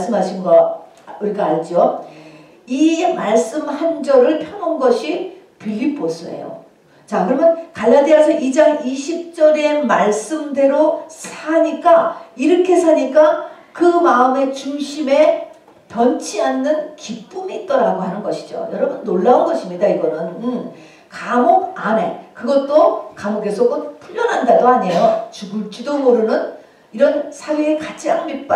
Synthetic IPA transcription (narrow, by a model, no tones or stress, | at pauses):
s͈ɯmɦaɕʰinɡʌ | uɾɡeaɭd͡ʑo | imaɭs͈ɯmhand͡ʑʌɾɯɭpʰjʌŋonɡʌɕʰi | pʰiʎːipʰosʰɯḛjo̰ | t͡ɕakɯɾʌmjʌnkaɭːadiasʰʌʔid͡ʑʌŋiɕʰip̚t͡ɕ͈ʌɾe̞maɭs͈ɯmde̞ɾosʰaɲik͈aiɾʌkʰe̞sʰaɲik͈a | kɯmaɯme̞t͡ɕuŋɕʰime̞ | pjʌnt͡ɕʰianːɯnkip͈umiːt̚k͈ʌɾaɡoɦanɯnɡʌɕʰid͡ʑo̰jʌɾʌbunːoɭːaonɡʌɕʰimɲidaiɡʌnɯn | kamoɡ̚ane̞kɯɡʌt̚t͈okamoɡe̞sʰoɡɯnpʰuʎːʌnɦandadoaɲe̞jot͡ɕuɡuɭt͡ɕ͈idomoɾunɯn | iɾʌnsʰaweːkat͡ɕʰaŋmit̚p͈a